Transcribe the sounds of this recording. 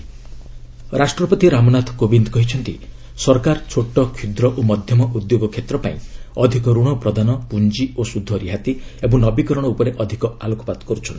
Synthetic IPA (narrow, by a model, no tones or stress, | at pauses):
ɾasʈɾɔpɔt̪iɾamɔnat̪ʰɔ̥kobind̪ɔkɔɦit͡ʃʰɔnt̪i | sɔɾkaɾt͡ʃʰoʈɔkʰud̪ɾɔʔomɔd̪ʱjɔmɔʔud̪joɡɔkʰːet̪ɾɔpaĩɔd̪ʱikɔɾuɽ̃ɔpɾɔd̪anɔpund͡ʒiosud̪ʱːɔɾiɦat̪iebɔŋnɔbikɔɾɔɽ̃ɔupɔɾeʔɔd̪ʱikɔalokɔ̥pad̪kɔɾut͡ʃʰɔni